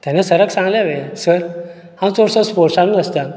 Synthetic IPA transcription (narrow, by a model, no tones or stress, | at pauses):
t̪jãnãsəɾəksãŋɡlaʋesəɾ | hãwt͡soɽsɔspoɾsãnuːəst̪a